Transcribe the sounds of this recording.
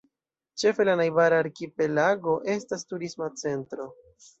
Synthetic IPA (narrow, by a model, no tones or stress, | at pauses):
t͡ʃe̞fe̞lanajbaɾaːɾkipe̞laɡo̞ʔe̞stastuɾismat͡se̞ntɾo̞